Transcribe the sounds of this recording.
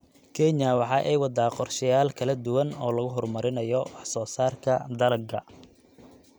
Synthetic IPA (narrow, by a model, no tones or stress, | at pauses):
kʰɛnɐwɑħɑːʔɛjwɑd̪aːqɔrʃɪjaːlkʰɐlɐd̪ʊwɐnɔːlɐɣʊɦɔrmɐɾɪnɐjɔwɑħsɔːsaːrkʰɐ̰d̪ɐlɐɡʰɐ